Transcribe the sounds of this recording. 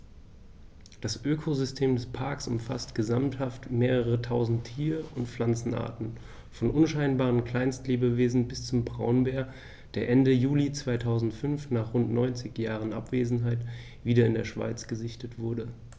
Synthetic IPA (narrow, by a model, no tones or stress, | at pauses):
d̥asʔøːkʰozʏstʰeːmdɛspʰaɐksʊmfastɡ̥əzamthaftmeːʁ̞əʁətʰaʊzn̩tʰːiːʁəʊntflant͡sn̩ʔa̰ːɐtn̩ | fɔnʔʊnʃaɪnbaːʁ̞ənkl̥aɪnstleːbəveːzn̩bɪst͡sʊmbʁaʊnbeːɐ | d̥eːɐʔɛndəjuːlit͡sv̥aɪtʰaʊzn̩tfʏnfnaːχʁʊntnɔʏnt͡sɪçjaːʁ̞ənʔa̰pv̥eːzn̩ɦaɪt | v̥iːɾɐɪndeːɐʃv̥a̰ɪt͡sɡ̥əzɪçtətv̥ʊɐdə